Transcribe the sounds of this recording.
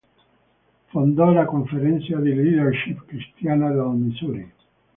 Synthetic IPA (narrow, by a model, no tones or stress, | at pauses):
fond̪ɔlakoɱfeɾɛnt̪sad̪ilːid̪erʃipkɾist̪jaːnad̪amisuːɾi